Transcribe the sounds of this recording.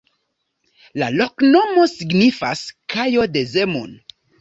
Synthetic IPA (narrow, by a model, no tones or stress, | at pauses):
lalo̞kno̞mo̞siɡnifaskajo̞de̞ze̞mo̰n